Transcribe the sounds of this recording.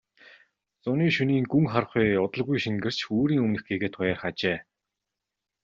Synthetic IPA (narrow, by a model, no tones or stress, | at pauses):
t͡sʊniːʃuniːŋɡuŋχarχʊjːʊt̪ə̆ɮɣujʃiŋɡɘ̆r̥t͡ɕoːɾiːŋɵmnɘ̆xɡeːɣeːt̪χʊjaːrχat͡ɕeː